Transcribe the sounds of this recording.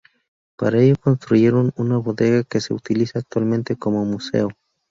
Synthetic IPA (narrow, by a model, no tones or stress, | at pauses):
paɾaeʝoko̞nst̪ɾuʝe̞ɾo̞nunaβo̞ðe̞ɣakese̞̰ut̪ilisaːk̚t̪walmẽ̞nt̪e̞ko̞mo̞muse̞̰o